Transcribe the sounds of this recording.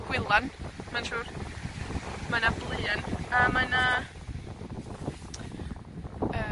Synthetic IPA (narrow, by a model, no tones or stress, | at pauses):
ɡ̥wɪlˠanmanʃuːr | manablˠɨanamana | ə